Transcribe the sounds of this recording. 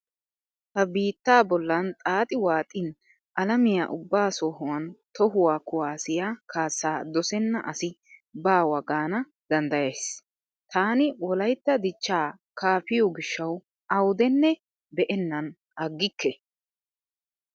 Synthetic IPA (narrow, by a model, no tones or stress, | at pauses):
hɐbiːt̪ːaːbɔlːɐnt̪ʼaːt̪ʼɪwaːt̪ʼɪn | ʔɐlɐmɪja̰ʔʊbːaːsoːɦʊwɐnt̪ɔhʊwaːkʊwaːsɪjaːkʰaːsːaːd̪ɔsɛnːɐ̰ʔɐsɪ | baːwɐɡaːnɐ | d̪̥ɐnd̪ɐjejs | t̪aːnɪwɔlɐjt̪ːɐd̪ɪt͡ʃːaː | kaːfɪjɔɡɪʃːɐw | ɐwʊd̪ɛnːɛ | bɛʔɛnːɐn | ɐɡːɪkːɛ